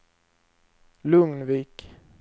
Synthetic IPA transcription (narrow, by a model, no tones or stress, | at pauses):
lɵŋnviːk